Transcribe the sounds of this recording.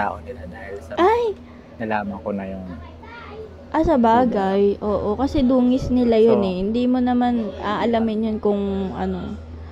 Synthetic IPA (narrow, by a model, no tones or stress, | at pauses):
a̰ːʔonɪlad̪aːhɪlsɐʔaj | nɐlaːmɐŋkonɐjʊŋ | ʔɐsɐbaːɡajʔo̞ːʔo̞kɐsɛd̪uːŋɪsnɪlajonɛhɪnd̪imo̞nɐmanʔaʔɐlamɪnjonkʊŋʔɐ̰no̞